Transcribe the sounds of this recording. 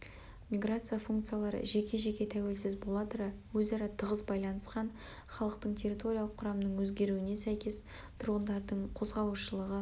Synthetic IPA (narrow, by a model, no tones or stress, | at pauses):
mʲiɡrat̪sɨjafuŋkt̪sɨijalˠɑɾə̰ʒe̞kʲʰe̞ʒe̞kʲe̞t̪ʰæwe̞lsɪzbo̞lˠɑt̪əɾɑwɵzɑɾɑt̪ʰəʁəzbɑjlˠɑnəsqɑn | χɑlˠəqt̪əɴt̪ʲʰe̞ɾʲit̪o̞ɾʲijalˠəqʰːʊɾɑmənəɴwɵzɡʲe̞ɾuɪne̞sæjkʲe̞s | t̪ʰʊɾʁənd̪ɑɾd̪əɴqʰo̞zʁɑlˠuʃəlˠəʁə